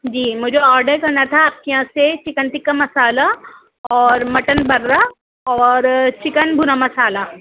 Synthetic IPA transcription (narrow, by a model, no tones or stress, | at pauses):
d͡ʒiːmʊd͡ʒʱeɔːɾɖəɾkɐɾnat̪ʰaːp̚keãːset͡ʃɪkənʈ̪ɪkːamɐsaːla | ɔːɾmɐʈənbɐɾːa | ɔːɾt͡ʃɪkənbʱʊɾamɐsaːla